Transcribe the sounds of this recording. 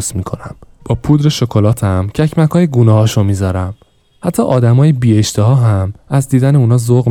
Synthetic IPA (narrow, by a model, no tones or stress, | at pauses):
smiːkʰonæmb̥ɒːpʰuːd̪ɾe̞ʃokʰolɒːt̪ʰæmcʰæcmækʰɒːjeɡuːnɒːɦɒːʃunmiːzɒːɾæm | hæt̪ʰːɒ̰ːʔɒːd̪æmɒːjebiːeʃt̪eɦɒːɦæmæzd̪iːd̪æne̞uːnɒːzoɣ